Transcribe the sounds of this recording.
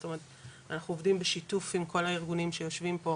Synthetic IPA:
st̪ome̞ʁet̪anaχnuovdimbeʃitufimkʰo̞laiʁɡunimʃejo̞ʃvimpo̞

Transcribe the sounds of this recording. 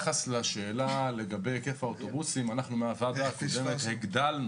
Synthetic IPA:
χaslaʃeːlale̞ɡabejkefaot̪o̞busimanaχnumeavadakod̪e̞met̪heɡd̪aln

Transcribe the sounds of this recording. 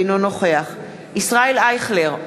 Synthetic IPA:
jnono̞χeaχ | ʔisʁaelajχleʁ

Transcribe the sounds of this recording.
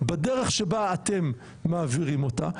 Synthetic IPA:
bedeʁeχʃebaːte̞mː | aːviʁimo̞ta̰

